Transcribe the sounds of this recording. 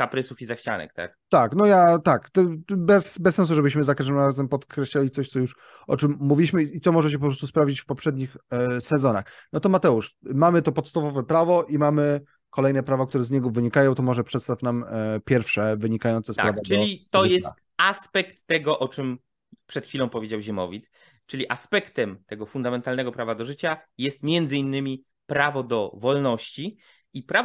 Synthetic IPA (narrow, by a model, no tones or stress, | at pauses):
kapɾɘsufizaxt͡ɕa̰nɛ̰k̚t̪a̰k̚t̪aknɔjat̪akt̪ɔbɛsbɛsːɛns̬uʐɛbɘɕmɘzakaʐd̪ɘmɾazɛmpɔt̪kɾɛɕlalʲit̪sɔɕt̪ɔjuʂ | ʔɔ̰t͡ʂɘmːuvʲilʲiɕmɘit̪ɔmɔʐɛt͡ɕɛp̬ɔpɾɔst̪uspɾavd͡ʑit͡ɕfpɔpʂɛd̪ɲixsɛzɔna̰xnɔt̪ɔmat̪ɛuʂmamɘt̪ɔpɔt̪st̪avɔvɛpɾavɔʔimamɘ | kɔlɛjnɛpɾavɔkt̪uɾɛzɲɛɡɔvɘɲikajɔ̃w̃t̪ɔmɔʐɛpʂɛt̪st̪afnampʲjɛɾfʂɛvɘɲikajɔnt̪sɛsapɾavait̪ɔjɛst̪ | aspɛkt̪ːɛɡɔʔɔt͡ʂɘm | pʂɛt̪xʲfʲilɔ̃w̃pɔvʲjed͡ʑawʑɛmɔ̰vʲit̪s | t͡ʂɘlʲiʔaspɛkt̪ɛmt̪ɛɡɔfund̪amɛnt̪alnɛɡɔpɾavad̪ɔʐɘt͡ɕajɛst̪mʲjɛnd̪zɘinːɘmʲi | pɾavɔd̪ɔvɔlnɔɕt͡ɕi | ipɾa